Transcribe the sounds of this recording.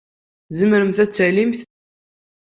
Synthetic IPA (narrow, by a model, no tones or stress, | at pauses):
zəmɾəmθæt͡sːælimθ